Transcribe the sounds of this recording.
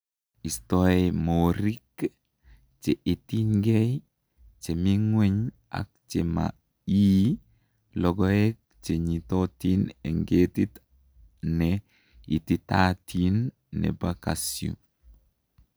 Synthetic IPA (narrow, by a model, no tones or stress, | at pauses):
istɔemoɾik | t͡ʃeʔitiŋɡej | t͡ʃemiŋwɛɲ | a̰k̚t͡ʃema̰ | iː | lɔɡɔek̚t͡ʃeɲitotineŋɡetit | nɛ | ititatʰinː | ɛ̰bakasjṵ